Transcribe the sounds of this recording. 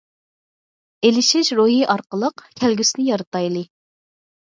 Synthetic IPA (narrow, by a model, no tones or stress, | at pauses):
elɪʃiʃɾuɦiʔɑɾqəlˠəqkʲʰælɡʲysnɪjɑɾɨt̪ɑjlˠɨ